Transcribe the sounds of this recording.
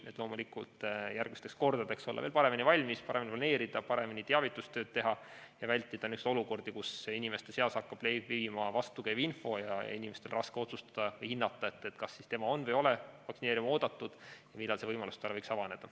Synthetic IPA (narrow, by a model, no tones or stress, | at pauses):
net̪lo̞ːmulikult̪jæɾrɡ̥mist̪eksko̞rd̪ɑd̪e̞kso̞lːɑ̰eːlpɑɾe̞minʲivɑlʲmispɑɾeminiplɑne̞ːɾid̪̥ɑpɑɾe̞minit̪eɑvit̪ːˑust̪øːd̪̥̚t̪e̞ɦɑjɑvælʲt̪ːˑid̪̥ɑnykst̪o̞luko̞rd̪ikusinime̞st̪e̞seɑsɑkːɑb̥lebivimɑvɑst̪ukæjvinfo̞jɑinʲime̞st̪elrɑskeo̞t̪sust̪ɑ̥d̪̥ɑvɤjhinːɑt̪ˑːɑe̞t̪ːˑe̞t̪kɑsːist̪e̞mɑo̞nːvɤjo̞levɑksineːɾiumo̞ːd̪̥ɑt̪ːˑud̪̥jɑmilːɑlse̞vɤjmɑlust̪ɑlːɤjksɑvɑne̞d̪̥ɑ